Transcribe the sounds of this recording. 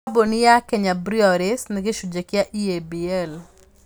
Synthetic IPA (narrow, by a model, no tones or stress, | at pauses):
bonɪjakeɲabɾiɔɾɪsnɪɡɪʃud͡ʒekɪaʔiebiɛl